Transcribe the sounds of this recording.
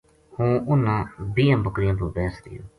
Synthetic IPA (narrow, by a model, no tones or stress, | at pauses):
hũːʊnãːbijãːbəkɾɪjãːpəɾbɛːsd̪ɪ̰jo̰ː